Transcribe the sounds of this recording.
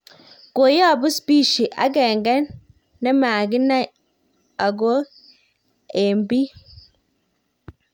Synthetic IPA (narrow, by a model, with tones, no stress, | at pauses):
ko˨jɔ˦a˨bu˦spi˦˨ʃi˨ʔa̰˨˦ɡɛ˨ŋɡɛ˦ | nɛ˦ma˨ɡi˦na˦ | a˨ɡ̬o˦ | e˨mbi˦